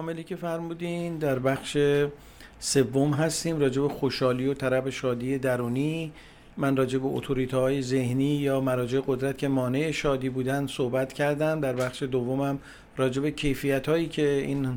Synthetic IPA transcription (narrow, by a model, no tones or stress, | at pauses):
ɒːmeliːcʲʰe̞fæɾmuːd̪ind̪æɾbæxʃe | se̞vːomɦæst̪iːmrɒːd͡ʒe̞bexoʃɒːliːo̞t̪ʰæɾæbeʃɒːd̪iːe̞d̪æɾuːniː | mænrɒːd͡ʒe̞be̞ʔo̰t̪ʰo̞ɾiːt̪ʰːɦɒːjeze̞hniːjɒːmæɾɒːd͡ʒe̞eɣo̞d̪ɾæt̪̚cʲʰe̞mɒːne̞ʔeʃɒːd̪iːbuːd̪ænd̪sohbæt̪cʰæɾd̪æmd̪æɾbæxʃe̞d̪ovːo̞mæm | ɾɒːd͡ʒe̞be̞cʰe̞jfijæt̪hɒːjiːcʰe̞iːn